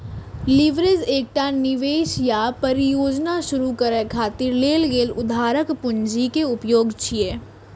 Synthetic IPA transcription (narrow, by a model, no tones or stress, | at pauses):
lɪʋɾezeːk̚ʈanɪʋeːʃjapɐɾɪjoːd͡ʒnaʃʊɾukəɾɛkʰaːt̪ɪɾleːlɡeːlʊd̪ʱaːɾəkpʊɲd͡ʒikeʊpjoːɡt͡ʃʰieː